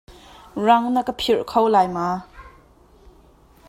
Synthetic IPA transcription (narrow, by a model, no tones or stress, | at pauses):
rɐŋnakəpʰirkʰowlajma